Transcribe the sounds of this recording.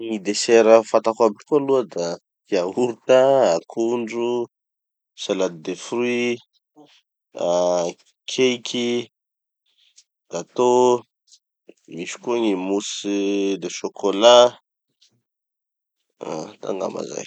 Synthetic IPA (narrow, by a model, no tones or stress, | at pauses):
ŋid̪eseɾəfat̪akabi̥kualuəd̪a | iaɦuɾt̪aakʰuɳɖ͡ʐu | salad̪id̪efrwi | a | kʰejkʰʲi | d̪̥at̪o | miʃi̥kuaŋimusid̪eʃokʰola | a̰t̪a̰ŋɡa̰ma̰za̰j